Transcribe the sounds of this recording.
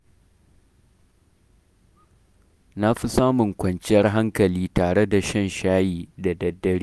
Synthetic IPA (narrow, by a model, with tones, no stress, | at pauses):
na˦ɸi˦saː˦mʊ˨ŋkʷɐ˨nt͡ʃɪ˦jɐ˦rɦa˦ŋkɐ˨liː˦taː˨ɽe˦da˨ʃɐ˦nʃaː˦jiː˨da˨dɐ˨dːɐ˦ɽiː˦